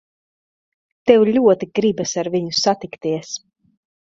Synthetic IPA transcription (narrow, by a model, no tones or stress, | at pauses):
t̪ɛwʎʲuɔt̪iɡɾibasaɾviɲusat̪ikt̪iɛs